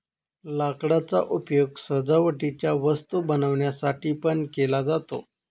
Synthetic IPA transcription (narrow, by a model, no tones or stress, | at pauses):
lakɽat͡sa̰ʔupjoɡsəd͡zaʋəʈit͡ɕjaʋəst̪ubənəʋɳjasaʈiːpəɳkelad͡zat̪o̰